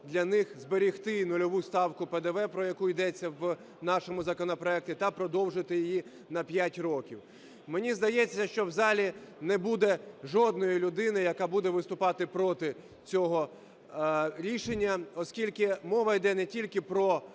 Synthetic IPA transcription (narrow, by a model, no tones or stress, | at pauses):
d̪lʲɐnɪxzbeɾʲixt̪ɪnʊlʲɔʋust̪ɑwkʊped̪ɛʋɛpɾɔjɐkuid̪ɛt͡sʲːɐw | nɑʃɔmʊzɐkɔnɔpɾɔɛk̚tʲit̪ɐpɾɔd̪ɔwʒɪt̪ɪjɪji | nɐpʲjatʲrɔkʲiw | menʲizd̪ɐjɛt͡sʲːɐʃt͡ʃɔwzɑlʲinɛbud̪ɛʒɔd̪nɔjilʲʊd̪ɪnɪjɐkɑbud̪ɛʋɪst̪ʊpɑt̪ɪpɾɔt̪ɪ | t͡sʲɔɦɔ | ɾʲiʃenʲːɐɔskʲilʲkɪmɔʋɐjd̪ɛnɛtʲilʲkɪpɾɔ